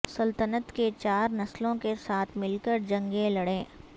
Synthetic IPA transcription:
sɐlt̪ənət̪ket͡ʃaːɾnɐslõkesaːt̪ʰmɪlkəɾd͡ʒɐ̃ŋɡẽlɐɽẽː

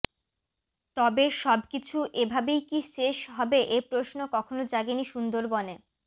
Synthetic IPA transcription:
t̪ɔbeʃɔb̚kit͡ɕʰuʔebʱabejkiʃeʃɦɔbeʔepɾosnokɔkʰonod͡ʑaɡeniʃund̪oɾbone

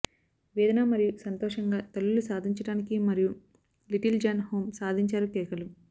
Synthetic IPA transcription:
ʋɛːd̪ɐnaːmɐɾijusɐnt̪ɔːʂɐŋɡaːt̪ɐlːulusaːd̪ʱiɲt͡ʃɐɽaːnikimɐɾiju | liʈild͡ʒaːnhoːmsaːd̪ʱiɲt͡ʃaːɾukɛːkɐlu

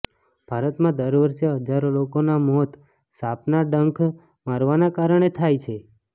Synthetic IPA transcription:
b̥ʱaɾət̪mãd̪əɾʋəɾʃeɦəd͡ʒaɾolokonamɔt̪ | sapnaɖəŋkʰ | maɾʋanakaɾəɳ̃et̪ʰajt͡ʃʰe

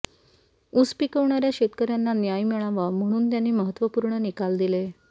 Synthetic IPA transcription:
uspikəʋɳaɾjaɕet̪kəɾjanːanjajmiɭaʋam̤əɽ̃uːnt̪janːiːməɦət̪ːʋəpuːɾɳənikald̪ile

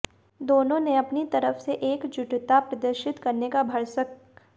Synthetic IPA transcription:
d̪oːnõneɐpnit̪ɐɾəfseʔeːkd͡ʒʊʈt̪apɾɐd̪əɾʃɪt̪kɐɾnekabʱɐɽsək

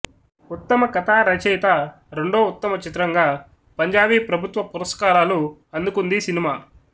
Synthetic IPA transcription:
ut̪ːɐmɐkɐt̪ʰaːɾɐt͡ʃɛjt̪a | ɾe̞ɳɖoːut̪ːɐmɐt͡ʃit̪ɾɐŋɡaː | pɐɲd͡ʒaːʋiːpɾɐbʱut̪ʋɐpuɾɐskaːɾaːluɐnd̪ukund̪isinimaː

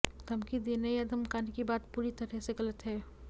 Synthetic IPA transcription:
t̪ɐmkid̪inɐiəd̪ʱəmkaːnikibaːt̪̚puːɾit̪ɐʈʰeseɡɐlət̪ɦɛː

